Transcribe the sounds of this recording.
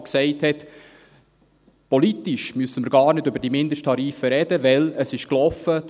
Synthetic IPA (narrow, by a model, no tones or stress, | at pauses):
ksɛɪthɛt̪ | pɔlit̪ɪʃmysəməɾɡ̥ɑːɾnɪdʏbəɾd̥imɪnd̪əʃtʰɑɾiːfəɾɛd̥əʋɛləsɪʃklɔfəd